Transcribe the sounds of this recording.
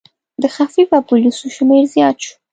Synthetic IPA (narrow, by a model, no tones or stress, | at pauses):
d̪əxafibapulisuʃmeɾzjɑt̪ʃu̥